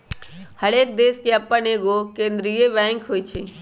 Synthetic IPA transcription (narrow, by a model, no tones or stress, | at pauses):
həɽeːk̚d̪eːskeɐpːəneːɡokẽːnd̪ɾiːebɛ̃ːŋkɦoːit͡ʃʰiː